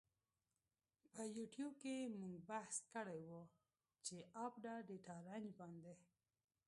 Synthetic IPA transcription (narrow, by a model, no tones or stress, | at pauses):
pəjuʈjub̚kemuŋɡbahskəɽajwu | t͡ʃeʔapɖaɖeʈɑɾanbɑnd̪e